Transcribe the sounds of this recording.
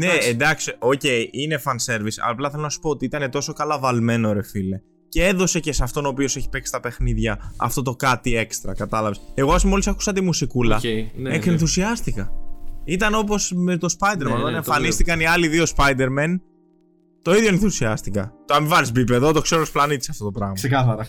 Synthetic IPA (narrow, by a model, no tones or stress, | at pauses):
neːnd̪ɐksioce̞iʔine̞fɐnse̞ɾvisplɐθe̞lonɐsu̥poot̪iit̪ɐne̞t̪o̞so̞kɐlɐvɐlme̞nooɾe̞file | ceeðo̞se̞ce̞sɐft̪o̞noːpio̞seçi̥pe̞ksi̥t̪ɐpe̞xniðʝɐɐ̰ft̪o̞t̪o̞kɐt̪ie̞kst̪ɾɐkɐt̪ɐlɐveseɣoɐsmo̞lisɐku̥sɐt̪imusikulɐesenθusiɐst̪ikɐit̪ɐno̞p̬o̞sme̞t̪o̞spɐjd̪eɾmɐnoɐneɱfɐnnist̪ikɐniɐliðio̞spɐjd̪e̞ɾmen | t̪o̞iðʝoenθusiɐst̪ikɐ̰t̪oɐmivɐɾizbip̬eðot̪o̞kse̞ɾoosplɐnit̪isɐ̥ft̪o̞t̪o̞pɾɐɣmɐsikɐθɐɾɐ